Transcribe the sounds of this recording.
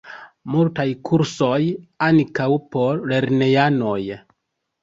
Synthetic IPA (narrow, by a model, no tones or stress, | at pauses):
multajkʰuɾso̞jankawpo̞le̞ɾne̞jano̞j